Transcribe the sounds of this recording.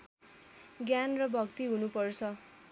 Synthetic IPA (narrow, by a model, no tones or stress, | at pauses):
ɡjanrʌbʱʌkt̪iɦunupʌrt͡sʰʌ